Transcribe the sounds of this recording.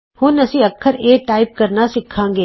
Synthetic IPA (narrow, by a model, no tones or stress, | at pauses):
hʊnɐsiɐkʰːəɾeːʈaːɪp̚kɐɾnasɪkʰãːŋɡeː